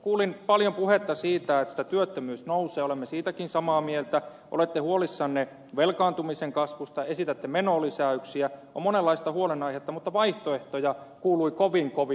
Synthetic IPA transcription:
kuːlinpɑljompuhet̪ːɑsiːt̪æet̪ːæt̪yøt̪ːømyːsnouseːolemːesiːt̪ækinsɑmɑːmielt̪æ | ʔo̰let̪ːehuolisːɑnːe | ʋelkɑːnt̪umiseŋkɑsʋust̪ɑesit̪æt̪ːemenoːlisæyksiæo̰monelːɑist̪ɑhuolenɑihet̪ːɑmut̪ːɑʋɑiht̪oeht̪ojɑ | kuːluikoʋiŋkoʋi

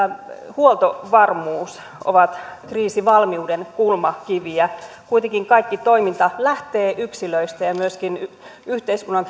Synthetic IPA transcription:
huolt̪oʋɑrmuːs | o̰ʋɑt̪kriːsiʋɑlmiuːdenkulmɑkiʋiæ | kuit̪eŋkiŋkɑikːit̪oimint̪ɑlæht̪eːʔyksiløist̪æjɑmyøskin | yht̪eiskunːɑŋ

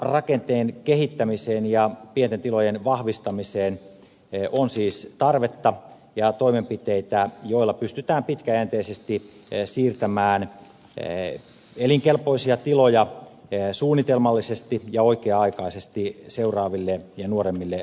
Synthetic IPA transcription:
rɑkent̪eːnkehit̪ːæmiseːnjɑpient̪ent̪ilojenʋɑhʋist̪ɑmiseːn | ʔonsiːst̪ɑrʋet̪ːɑ | jɑt̪oimempit̪eit̪æjoilːɑpyst̪yt̪æːmpit̪kæjænt̪eisest̪isiːrt̪æmæːn | eliŋkelpoisiɑt̪ilojɑ | suːnːit̪elmɑlːisest̪ijɑoikeːɑikɑisest̪iseurɑːʋilːejɑnuoɾemːilːe

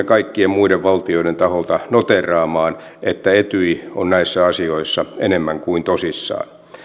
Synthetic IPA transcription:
ekɑikːiemmuideʋʋɑlt̪ioiɾent̪ɑholt̪ɑnot̪erˑɑːmɑːn | et̪ːæet̪yionnæisːæɑsioisːɑenemːæŋkuint̪osisːɑ̰ːn

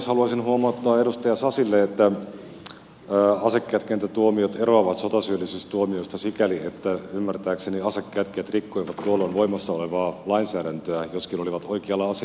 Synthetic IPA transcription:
shɑluɑsinhuomɑt̪ːɑːeɾust̪ɑjɑsɑsilːeet̪ːæ | ɑsekːeːt̪kent̪æt̪uomiot̪eroɑʋɑt̪sot̪ɑsyølːisyːst̪uomiost̪ɑsikæliet̪ːæymːært̪æːkseniɑsekːeæːt̪keːt̪rikːoiʋɑt̪tːuolːˑoːnʋo̞imɑsːɑoleʋɑːlɑinsæːɾænt̪øæjoskinoliʋɑt̪oikeɑlːɑɑsi

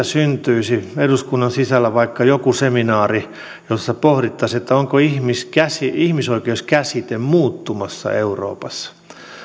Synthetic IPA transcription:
æsynt̪yisieduskunːɑnsisælːæʋɑikːɑjokuseminɑːri | josːɑpohɾit̪ːɑset̪ːæoŋkoihmiskæsiihmisoikeuskæsit̪emmuːt̪ːumɑsːɑ̰euro̰ːpɑsːɑ̥

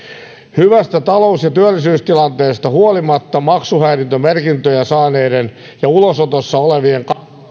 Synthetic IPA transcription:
hyʋæst̪æt̪ɑlousjɑt̪yælːisyːst̪ilɑnt̪eːst̪ɑhuolimɑt̪ːɑmɑksuhæːrint̪ømerkint̪øjæsɑːneːden | jɑulosot̪osːɑoleʋieŋk

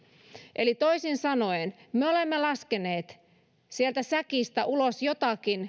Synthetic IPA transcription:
ʔelit̪oisinsɑno̞enmeolemːelɑskene̞ːt̪ | sielt̪æsækist̪æʔulosjot̪ɑkin

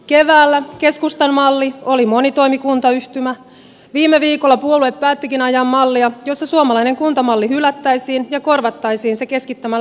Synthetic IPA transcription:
ke̞ʋæːlːæke̞skust̪ɑnmɑlːio̞limonit̪o̞imikunt̪ɑyht̪ymæ | ʋiːmːeʋiːkolːɑpuolueppæːt̪ːikinɑjɑmːɑlːiɑjosːɑsuomɑlɑineŋkunt̪ɑmɑlːiɦylæt̪ːæjsiːnjɑko̞rʋɑt̪ːɑjsiːnseke̞skit̪ːæmæ

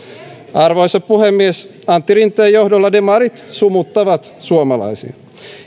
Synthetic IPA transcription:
ɑrʋojsɑppuhemːies | ɑnt̪ːiɾint̪ːˑæjo̞hdolːɑdemɑɾit̪sumut̪ːɑʋɑt̪ | suomɑlɑ̰jsḭɑ

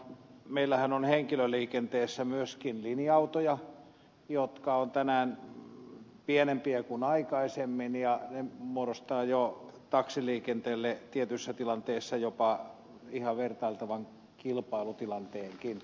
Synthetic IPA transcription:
meilːæhænonheŋkiløliːkent̪eːsːæmyøskinliniɑut̪ojɑ | jot̪kɑont̪ænæːn | pienempiækunɑikɑisemːinjɑnemuorost̪ɑːjot̪ɑksiliːkent̪eːlːet̪iet̪ysːæt̪ilɑnt̪eːsːɑjopɑ | ihɑʋert̪ɑilt̪ɑʋɑŋ | kilpɑilut̪ilɑnt̪eːŋkin

